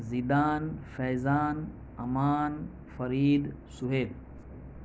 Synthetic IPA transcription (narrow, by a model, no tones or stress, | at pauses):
zid̪aːnfɛjzaːn | ɐmaːn | fɐɾiːd̪ | suɦeːl